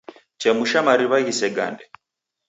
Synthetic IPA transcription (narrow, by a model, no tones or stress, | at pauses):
t͡ʃɛmuʃamaɾiβaɣisɛɡa̰ndɛ